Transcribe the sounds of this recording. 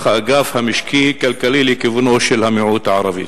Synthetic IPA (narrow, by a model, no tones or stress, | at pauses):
xaʔɡaːfhamɪʃkiːhikalkaliːlikivɪnoːʃɪlhamɪʕuːt̪ʕɑɾˤɑvḭ